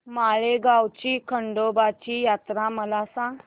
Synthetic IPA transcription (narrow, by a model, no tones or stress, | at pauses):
maɭeɡawt͡ɕiːkʰəɳɖobat͡ɕijat̪ɾãməlasã